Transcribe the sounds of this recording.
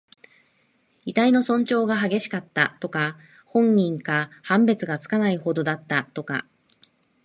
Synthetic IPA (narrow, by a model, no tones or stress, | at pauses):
it̪aino̞sõ̞ɲt͡ɕo̞ːɡaɦaɡe̞ɕi̥kat̪ːat̪o̞ka | hõ̞ɲːĩŋkahãmbe̞t͡sɨɡat͡sɨ̥kanaiho̞d̪o̞d̪at̪ːat̪o̞ka̰